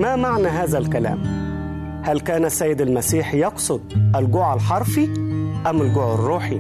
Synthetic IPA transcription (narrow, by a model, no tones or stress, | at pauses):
mæmaʕnæɦæːzælkælæ̰ːm | hælkæːnæsːæːjːɪd̪ælmæsiːħjɑqsˤʊd̪̚ˤʔælɡʊʕalħɑɾˤfiʔæmːɪlɡʊʕɪrːuːħi